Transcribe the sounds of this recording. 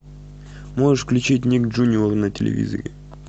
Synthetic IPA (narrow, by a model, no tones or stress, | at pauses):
moʐɨʂfklʲʉt͡ɕit̬̚ʲnʲikʐunʲɪornətʲɪlʲɪ̰vʲḭzə̰ɾʲɪ